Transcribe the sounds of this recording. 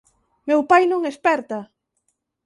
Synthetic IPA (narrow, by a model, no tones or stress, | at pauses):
mewpajnõŋespɛɾt̪a